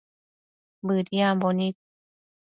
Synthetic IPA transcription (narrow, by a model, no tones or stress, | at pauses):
bɯːt̪̚jaːmbɔnit̚